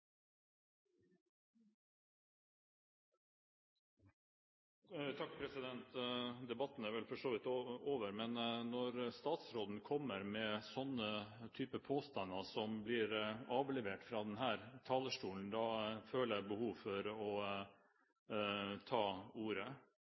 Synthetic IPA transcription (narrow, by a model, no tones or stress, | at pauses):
t̪ʰɑk̚pʰɾɛsɪd̪ɛnt̪d̪ɛbɑt̪n̩æɾʋɛlfɔʂoːʋɪt̪ooːʋəɾmɛnnɔɾst̪ɑːt̪sɾoːd̪n̩kʰɔmːəɾmɛsɔnət̪ʰyːpəpʰoːst̪ɑnːɑsɔmblɪɾɑːʋlɛʋeːʈfɾɑːd̪ɛnɦæːɾt̪ʰɑːləʂʈuːln̩d̪ɑføːləæbəhuːʋfɔɾɔ | t̪ʰɑːuːɾə